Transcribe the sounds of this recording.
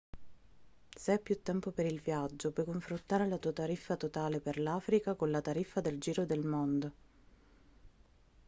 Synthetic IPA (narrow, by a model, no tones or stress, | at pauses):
seɛpːjut̪ːɛmpopeɾilvjad͡ʒːopwɔjkoɱfɾont̪aːɾelat̪uːat̪aɾifːat̪ot̪aːleperlaːfɾikakonlat̪aɾifːad̪eld͡ʒiːɾod̪elmond̪o